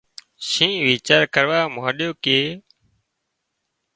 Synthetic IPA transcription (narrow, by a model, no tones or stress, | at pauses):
ʃĩːʋiːt͡ʃaːɾkəɾʋaːmaːɗjoːkeː